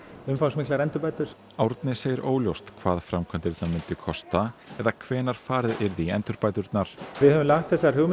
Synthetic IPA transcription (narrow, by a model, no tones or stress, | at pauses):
ʏmfawsmɪklaɾɛnt̪ʏɾpajt̪ʏɾ̥ | awɾt̪nɪseːjɪɾʔoːwljowst̪kʰvaːðfɾamkʰvɛnt̪ɪɾt̪namɪnt̪ɪkʰɔst̪aɛðakʰvɛːnaɾ̥faːɾɪðɪɾðiɛnt̪ʏɾpaːjt̪ʏɾt̪naɾ̥vɪðhɛvʏmlaxt̪θɛsaɾhʏɣm